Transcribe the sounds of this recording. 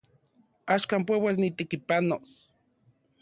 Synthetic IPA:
aʃkaːmp̬wewes̬nit̪ekipanos

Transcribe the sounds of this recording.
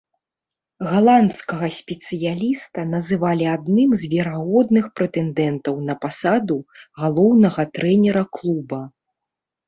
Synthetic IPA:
ɣalˠant̪skɐɣɐsʲpʲɛt̪sɨjalʲist̪ɐnɐzɨvalʲiad̪nɨmzʲvʲɛɾaɣɔd̪nɨxpɾɛt̪ɛnd̪ɛnt̪ɐwnɐpasad̪uɣalˠɔwnɐɣɐt̪ɾɛnʲɛɾɐklˠubɐ

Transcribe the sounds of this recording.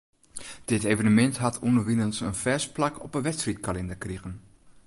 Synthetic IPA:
d̥ɪtejvənəmɛntɦatʰunəʋinənsə̰nfɛsplakɔ̰pənʋɛtstrit̚kalɛndəkriɣən

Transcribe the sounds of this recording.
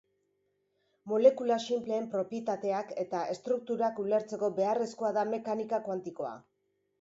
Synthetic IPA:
mo̞le̞kulasimple̞ːmpɾo̞pjet̪at̪e̞ake̞t̪ae̞st̪ɾuk̚t̪uɾakule̞ɾt͡se̞ko̞be̞are̞sko̞aðame̞kanikakwant̪iko̞a̰

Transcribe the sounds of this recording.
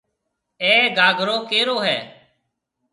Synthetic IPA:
ɛːɡaːɡʱɾoːkeːɾoːɦɛː

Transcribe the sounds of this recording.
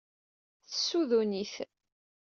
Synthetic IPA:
θəsːuðuniθ

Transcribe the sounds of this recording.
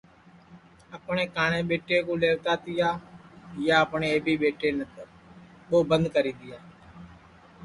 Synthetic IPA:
əpɳeːkaːɳẽːɓeːʈeːkõːleːʋt̪aːt̪ɪjaːjaːəpɳeːeːbʱiːɓeːʈeːnət̪ | ɓoːbə̃nd̪kəɾiːd̪ɪjaː

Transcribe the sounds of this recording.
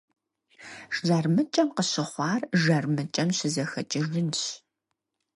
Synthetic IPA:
ʂʒɐrmɨt͡ʃʼɐmqəɕɪχʷɑːrʒɐrmɨt͡ʃʼɐmɕɪzɐxɐ̰t͡ʃʼɪʒɨnɕ

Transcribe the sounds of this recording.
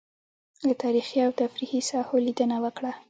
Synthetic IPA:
lət̪ɑɾixiawt̪afɾihisɑholid̪ənawəkɽa

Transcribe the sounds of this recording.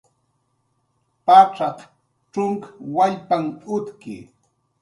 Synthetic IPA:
paʈ͡ʂɑq | ʈ͡ʂʊŋkḁwaʎpaŋʊt̪kɪ̰

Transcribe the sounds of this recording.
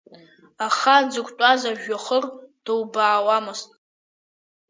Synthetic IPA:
aχad͡zɨkʷʼtʷʼazaʒᶣaχərd̥ɨwbaːwamɨstʼ

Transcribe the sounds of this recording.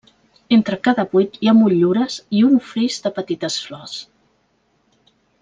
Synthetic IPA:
ent̪ɾəkaðəβujt̪jamuʎuɾəziuɱfɾiʒd̪əpət̪it̪əsflɔs

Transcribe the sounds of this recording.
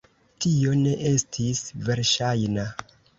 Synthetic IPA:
tio̞ne̞ʔe̞stʰisve̞ɾʃajna

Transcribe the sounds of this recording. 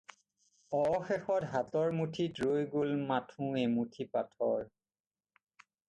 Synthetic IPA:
ɔɔxɛxɔtɦatɔɹmutʰidɹojɡolmatʰũemutʰipatʰɔ̰ɹ

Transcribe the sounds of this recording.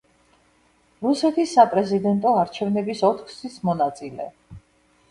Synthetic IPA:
ɾusɛt̪ʰisːapʼɾɛzid̪ɛnt̪ʼɔaɾt͡ʃʰɛvnɛbisɔt̪ʰχsismɔnat̪sʼilɛ̰

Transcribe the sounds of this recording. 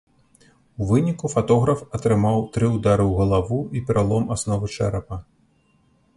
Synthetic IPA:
uvɨnʲikufat̪ɔɣɾɐfɐt̪ɾɨmawt̪ɾɨud̪aɾɨwɣɐlˠavuipʲɾalˠɔmasnɔvɨt͡ʂɛɾɐpɐ

